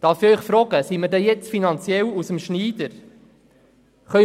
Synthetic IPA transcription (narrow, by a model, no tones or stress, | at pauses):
d̥ɑːɾfɪœʏχfɾɔːɡəsimədɛjɛt͡sfinɑnt͡sjɛlusəmʃniːd̥̪əɾ | χœ